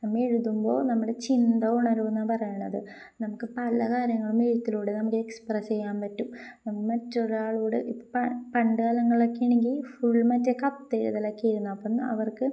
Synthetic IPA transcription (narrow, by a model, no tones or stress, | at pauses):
nɐmːɐeɻuðumbo̞̰ːnɐmːuɽet͡ɕind̪ɐuɳɐɾuʋunːɐpɐrɐjuɳːɐðɨ̰ | nɐmukːɨpɐlɐkaːɾjɐŋːɐɭumeɻut̪ːiluːɽenɐmukːɨeksprest͡ɕe̞jːaːnpɐtːumnɐmuːkːɨmɐtːo̞ɾuaːɭuːɽɨʔipːpɐpɐɳɖɨɣɐlɐŋːɐɭokːijɐɳeŋɡilfuɭːmɐtːekɐpt̪eɻṵðɐlɐkːijiɾunːɐɐpːonːɐ̰ʋɐrkɨ